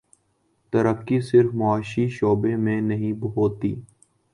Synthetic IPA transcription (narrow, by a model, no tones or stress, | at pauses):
t̪əɾəkːisɪɾfmaːʃiʃoːbemẽnɐɦĩbɦoːt̪ḭː